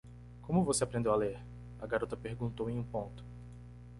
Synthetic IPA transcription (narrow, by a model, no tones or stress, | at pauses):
kõmʊvoseapɾẽnd̪ewaleɾ | ɐɡaɾot̪ɐpeɾɡũnt̪owẽj̃ũpõnt̪ʊ̥